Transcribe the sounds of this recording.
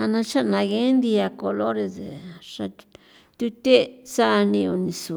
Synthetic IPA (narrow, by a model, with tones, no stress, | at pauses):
a˧nã˧t͡ʃa˦nã˧ɣe˦nd̪i˧a˧ko˧lo˦ɾe˧ze˨ʂa˧ | t̪u˧˦t̪e˦sa˦˧nĩ˧o˧nĩ˧su˨